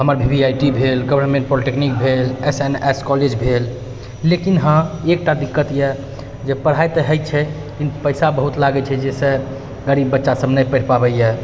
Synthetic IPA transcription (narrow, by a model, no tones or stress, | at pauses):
ɦəməɾbʱibiajʈibʱelɡəʋəɾmẽɳʈ̚poliʈeknik̚bʱeleseneskɔled͡ʒbʱel | lekinɦãek̚ʈad̪ikːət̪jɛ | d͡ʒepəɽ̤ajt̪əɦəjt͡ʃʰɛ | kinpəjsabəɦut̪laɡɛt͡ʃʰɛd͡ʒese | ɡəɾibːətːʃasəbnəjpəʈpabəjjɛ